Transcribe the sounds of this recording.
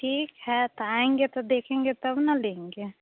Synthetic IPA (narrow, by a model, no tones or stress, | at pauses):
ʈʰiːkhɛt̪aːẽːŋɡet̪od̪eːkʰẽːŋɡet̪ɐbnɐlẽːŋɡeː